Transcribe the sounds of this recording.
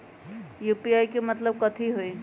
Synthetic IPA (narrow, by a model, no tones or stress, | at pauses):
jupiajkemət̪ləb̚kət̪ʰiɦoi